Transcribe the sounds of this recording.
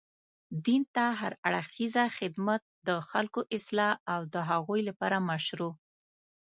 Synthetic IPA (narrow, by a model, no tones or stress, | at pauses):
d̪int̪aɦaɾaɽxizaxɪd̪mat̪̚d̪əxalkoʔɪslɑawd̪əɦaɣujlapɑɾamaʃɾu